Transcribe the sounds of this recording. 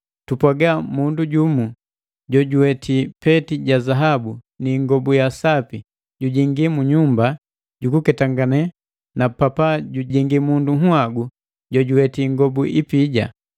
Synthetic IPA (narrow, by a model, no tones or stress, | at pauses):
tupwaɡamunduɟumu | ɟɔɟuwɛtʰipɛtiɟazaɦabu | niŋɡɔbujasapi | ɟuɟiŋɡimuɲumba | ɟukukɛtaŋɡanɛ | napapaɟuɟiŋɡimunduɦuaɡu | ɟɔɟuwɛtiŋɡɔbuʔipiɟa